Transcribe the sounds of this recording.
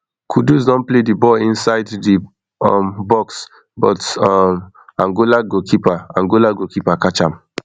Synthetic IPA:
kʰuduzdɔ̃npledibɔĩnsaɪddi | ɔ̰̃mbɔks | bɔtɔm | ãŋɡolaɡokʰipaãŋɡolaɡokipakat͡ʃãm

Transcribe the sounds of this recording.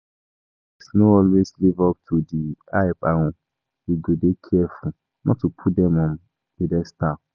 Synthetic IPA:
isnoɔlweslivɔp̚tʰudiaɪpahũ | iɡodekʰɛfu | nʔɔ̰tupʰudɛ̃mɔ̃m | idɛstap

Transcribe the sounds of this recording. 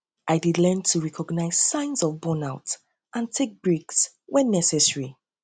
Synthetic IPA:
ʔaɪdidlɛ̃ntʰuɹɛkʰɔɡnaɪz̥sãɪ̃nzɔvbɔnaʊt | ʔãntʰek̚b̥ɹiks | wɛ̃nːɛsɛsɹi

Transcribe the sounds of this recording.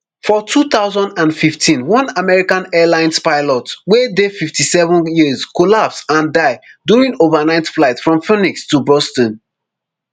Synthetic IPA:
fɔtʰuθaʊzɔ̃ndãnfiftʰĩnwɔ̃namɛɹikãnɛlãɪ̃nspaɪlɔtwedefiftisɛvə̃njizkolapsãndaɪdjuɹĩŋovənãɪ̃tflaɪtfɹɔ̃mfinikstubɔstɔ̃n

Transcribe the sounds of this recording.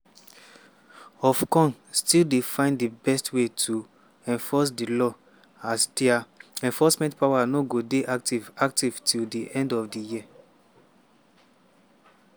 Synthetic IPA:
ɔfkɔ̃nstildefãɪ̃ndibɛstwetʰu | ɛ̃nfɔs̬dilɔ | asdiaɛ̃nfɔsmɛ̃ntpawanoɡodeʔaktivaktivtʰildiʔɛ̃ndɔvdijia

